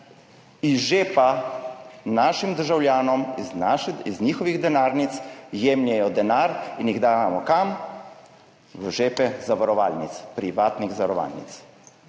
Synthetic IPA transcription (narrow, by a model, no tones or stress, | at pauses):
iʒeːpa | naːʃimd̪əɾʒawlʲjaːnɔmaʃiznɲiːxɔʋiɣd̪ɛnaːɾnit̪sjeːmnʲjɛjɔd̪ɛnaːɾinjiɣd̪aːʋamɔkam | ʋəʒeːpɛzaʋaɾɔʋaːlnit̪spɾiʋaːt̪niɣzaʋaɾɔʋa̰ːlnḭt̪s